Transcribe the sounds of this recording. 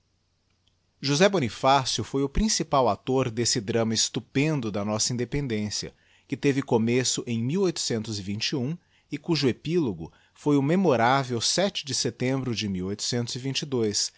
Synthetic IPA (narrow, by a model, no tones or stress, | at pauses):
ʒuzɛbonifasjʊfojʊpɾĩsipawat̪oɾd̪esɪd̪ɾɐ̃mɐɪst̪upẽnd̪ʊd̪ɐnɔsɐĩnd̪epẽnd̪ẽsiɐ̰ | kɪt̪evɪkomesʊʔẽj̃miwojt̪ʊ̥sẽnt̪ʊzɪvĩnt͡ʃiũ | ɪkuʒʊepiloɡʊ̰ | fojʊmemoɾavewsɛt͡ʃɪd͡ʒɪset̪ẽmbɾʊd͡ʒɪmiwojt̪ʊ̥sẽnt̪ʊzɪvĩnt͡ʃɪd̪ojs